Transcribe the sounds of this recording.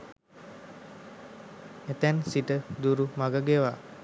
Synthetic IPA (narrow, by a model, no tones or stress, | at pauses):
et̪ɛnsiʈəd̪uɾumaɡəɡeʋa